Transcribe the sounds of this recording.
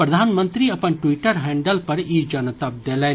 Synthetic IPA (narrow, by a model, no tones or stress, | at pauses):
pɾɐd̪ʱaːnmə̃nt̪ɾiɐpənʈwiːʈəɾɦɛ̃ːɳɖəlpɐɾid͡ʒɐnət̪ap̚d̪eːleː